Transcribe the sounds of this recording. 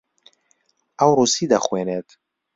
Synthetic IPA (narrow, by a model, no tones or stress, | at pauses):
ʔɐwrusid̪ɐxweːnet̪